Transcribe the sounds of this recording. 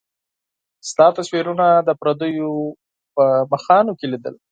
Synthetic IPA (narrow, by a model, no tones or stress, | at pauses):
st̪ɑt̪aswiɾunad̪əpɾad̪əjo | pəmaxɑnokelid̪ə̰l